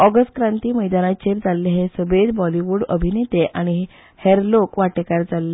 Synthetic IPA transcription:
ɔɡəsʈkɾãnt̪iːməjd̪anat͡ɕeɾd͡zalːeɦesəbed̪bɔliʋuɽə̰bʱinet̪eʔaɽ̃iɦ | heɾlokʋaʈekaɾd͡zalːe

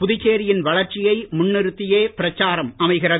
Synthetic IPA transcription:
pʊðɪt͡ʃːeːɾɪjɪnʋɐɭɐɾt͡ʃɪjɐɪmʊnːɪɾɯt̪ːɪjeːpɪɾɐt͡ʃːaːɾɐmɐmɐɪɣɪrɐ

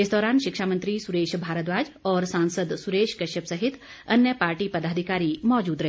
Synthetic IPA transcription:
ɪsd̪ɔːɾaːnʃɪkʃaːmənt̪ɾisʊɾeːʃbʱaːɾət̪ʋaːd͡ʒɔːɾsãːnsəd̪sʊɾeːʃkɐʃəpsɐɦɪt̪ | ɐnjəpaːɾʈipɐd̪aːd̪ʱɪkaːɾimɔːd͡ʒuːd̪ɾɐɦ

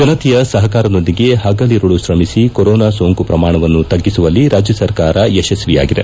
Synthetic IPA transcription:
ɡ̥ɐnɐt̪ijɐsɐɦɐkaːɾɐno̞nd̪iɡe̞ɦɐɡɐliɾuɭuʃɾɐmisikoɾɔːnaːsoːŋkupɾɐmaːɳɐʋɐnːut̪ɐɡːisuʋɐlːiɾaːd͡ʒjɐsɐɾkaːɾɐeʃɐsʋija̰ːɡid̪e̞̰

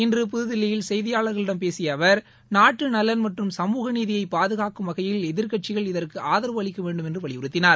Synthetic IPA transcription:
ɪndrɯp̬ʊðɯðɪlːɐjɪlsɛjðɪjaːɭɐɾɣɐɭɪɽɐmpeːsɪjɐʋɐɾ | naːʈrɯnɐlːɐnmɐʈrɯmsɐmuːɣɐniːðɪjɐɪpːaːðɯɣaːkɯmʋɐɣɐjɪlɛðɪɾkɐʈ̚t͡ʃɪɣɐɭɪðɐɾkɯʔaːðɐɾʋʋɐɭɪkːɐʋeːɳɖɯmɛndrɯʋɐɭɪʊɾɯt̪ːɪnaːɾ

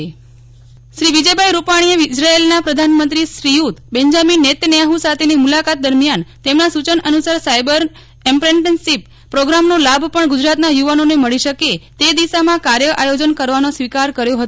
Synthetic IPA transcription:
ʃɾiʋid͡ʒəbʱajɾupaɽ̃ieid͡ʒɾaelnapɾəd̪ʱanmənt̪ɾiʃɾijut̪bɛɲd͡ʒaminːet̪nɛjaɦusat̪ʰenimulakat̪̚d̪əɾmjant̪emnasut͡ʃənənusaɾsajbəɾ | ɛmpɾeɳʈənsipːɾoɡɾamnolabʱpəɳɡud͡ʒɾat̪najuʋanoneməɭiʃəket̪ed̪iʃamãkaɾjəʔajod͡ʒənkəɾʋanosʋikaɾkəɾjoɦət̪o

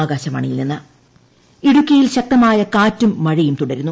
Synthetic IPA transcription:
ɡaːɕɐmɐ̰ɳijilninːɐ | iɽukʲːɐjilɕɐk̚t̪ɐmaːjɐkaːtːumːɐɻijumt̪uɽɐɾunːu

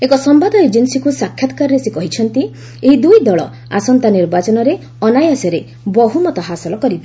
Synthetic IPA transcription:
ekɔsɔmbad̪ɔed͡ʒinsikusakʰjat̪ɔ̥kaɾɔɾesikɔɦit͡ʃʰɔnt̪i | eɦid̪ujd̪ɔɭɔ̰ | a̰sɔnt̪aniɾbat͡ʃɔnɔɾe | ɔnajasɔɾe | bɔɦumɔt̪ɔɦasɔlɔkɔɾibe

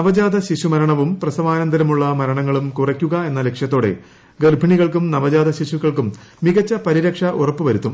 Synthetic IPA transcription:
nɐʋɐd͡ʑaːd̪ɐɕiɕumɐɾɐɳɐʋumprɐsɐʋaːnɐnd̪ʱɐɾɐmuɭːɐmɐɾɐɳɐŋːɐɭumkurɐkʲːuɣɐe̞nːɐle̞kʂjɐt̪ːo̞ːɽe̞̰ | ɡɐrbʱɐɳiɣɐɭkumnɐʋɐd͡ʑaːd̪ɐɕiɕuɣɐɭkumːiɣɐt͡ɕːɐpɐɾiɾɐkʂɐʔurɐpːɨʋɐɾut̪ːum

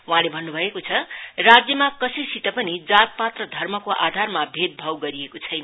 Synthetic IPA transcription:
uɦãlebʱʌnːubʱʌekot͡sʰʌrad͡zjʌmakʌsisit̪ʌpʌnid͡zat̪̚pat̪rʌd̪ʱʌrmʌkoʔad̪ʱarmabʱed̪̚bʱʌwɡʌɾiekot͡sʰʌjna

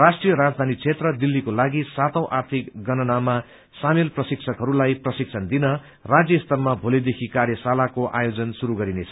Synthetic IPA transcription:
rasʈrijʌɾad͡zd̪ʱanit͡sʰet̪rʌd̪ilːikolaɡisat̪ʌ̃w̃ʔart̪ʰikɡʌnʌnama | samelprʌsiksʰʌkɦʌɾulajprʌsik̚sʰʌnd̪inʌ | rad͡zjʌst̪ʌrmabʱolid̪ekʰikarjʌsalakoʔa̰jod͡zʌnsuɾuɡʌɾinet͡sʰʌ̥

